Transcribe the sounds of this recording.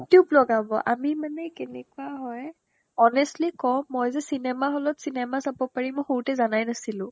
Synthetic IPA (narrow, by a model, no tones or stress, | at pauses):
jutjublɔɡabɔʔa̰mimanɛkenɛ̰kuaɦɔj | ɔnɛstlikɔmːɔjzɛsinɛmaɦɔlɔtsinɛmasabɔpaɹimɔjxoɹutɛzanajnasilʊ̃